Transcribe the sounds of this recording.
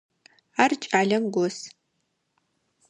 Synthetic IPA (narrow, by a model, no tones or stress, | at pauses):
art͡ʃʼaːɮɐmɡʷɔs